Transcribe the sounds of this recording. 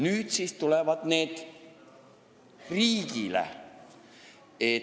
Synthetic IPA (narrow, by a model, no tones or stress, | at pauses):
nyːd̪̥siːst̪ulevɑd̪̥ne̞ːd̪̥ | riːɡ̥ilḛ | e